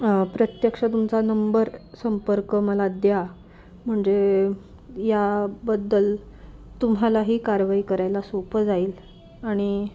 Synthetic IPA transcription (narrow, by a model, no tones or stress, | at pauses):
pɾət̪jəkʂət̪umt͡sanəmbəɾsəmpəɾkəməlad̪ja | m̤əɳd͡ze | jabəd̪ːəl | t̪umɦalaɦiːkaɾʋaikəɾajlasopəd͡zaiːl | aɽ̃i